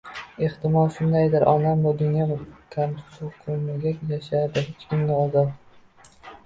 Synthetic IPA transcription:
e̞ht̪ɪmɒlˠʃʊnd̪ajd̪ɪɾʔɒnamad̪ʊnjɒkʲʰamsoqʰʊmɪɡʲajaʃaɾd̪ɪhet͡ʃkʲɪmnɪɒzɒt̪

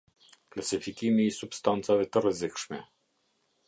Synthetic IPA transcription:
klasifikimiːsupst̪ant̪savɛt̪əɾəzekʂmɛ̰

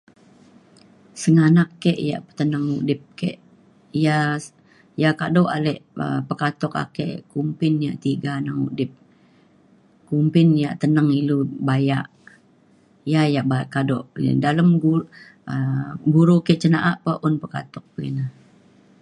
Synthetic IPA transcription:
səŋanakːɛʔja̰ʔət̪ənaŋṵʔdɪp̚kɛ̰ʔ | ija | jakadɔʔalɛʔə̰pəkat̪ɔka̰kɛ̰ʔkumpɪnja̰ʔt̪iɡanaŋṵdɪp̚ | kumpɪnjaʔt̪ənaŋilubajaʔ | jajaʔbakadɔʔdaləmɡu | əbuɾukɛʔt͡ʃənaʔaʔpəʔʊnpəka̰t̪ɔk̚pəḭna

